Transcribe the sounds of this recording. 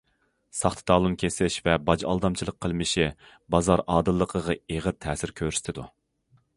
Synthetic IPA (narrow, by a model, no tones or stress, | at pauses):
sɑχt̪ʰɨ̥t̪ɑːlˠunkʲʰesɪʃvɛbɑd͡ʒɑ̰lˠd̪ɑmt͡ʃʰilˠəqʰːəlˠmɪʃi | bɑzɑɾɑːd̪ɨlˠːəqʰəʁɑeʁəɾt̪ʰɛːsɪɾkʲʰøɾyst̪ʰɪd̪u